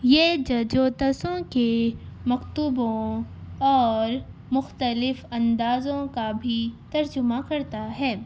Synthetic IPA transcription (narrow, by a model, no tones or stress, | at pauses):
jeːd͡ʒɐd͡ʒoːt̪ɐsõkemɐkt̪ʊbõɔːɾ | mʊxt̪əlɪfɐ̃nd̪aːzõkabʱit̪ɐɾd͡ʒʊmakɐɾt̪aɦɛː